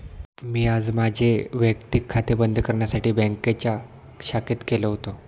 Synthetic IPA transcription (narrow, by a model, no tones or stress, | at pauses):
miːad͡zmad͡ʑʱeʋjəkt̪ikʰːat̪ebənd̪ʱkəɾɳjasaʈiːbɛ̃ŋket͡ɕa | ɕaket̪keləɦot̪o